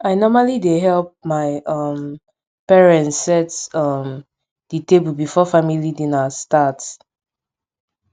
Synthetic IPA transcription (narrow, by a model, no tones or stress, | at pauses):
aɪnɔmalideɦɛlp̚maɪʔʌm | pɛɹɛ̃ntsːɛtʌm | d̥itebulbifɔfamilidinastat